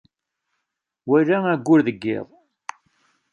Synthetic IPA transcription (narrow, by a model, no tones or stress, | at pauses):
wælææɡʷːʊɾðəɡːɪ̰ðˤ